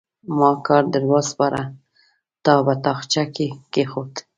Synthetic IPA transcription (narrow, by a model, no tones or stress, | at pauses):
mɑkɑɾd̪əɾwɑzpɑɾʔa | t̪ɑbat̪ɑxt͡ʃakekexot̪